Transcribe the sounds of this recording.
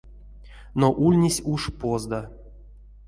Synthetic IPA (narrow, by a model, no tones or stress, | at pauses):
noʔulʲnʲisʲuʂpozd̪a